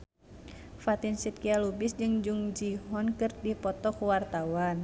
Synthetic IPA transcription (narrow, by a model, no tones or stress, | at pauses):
fat̪insit̪̚kialubisd͡ʒɨŋd͡ʒuŋd͡ʒiɦɔnkɨrdipɔt̪ɔkuwart̪awan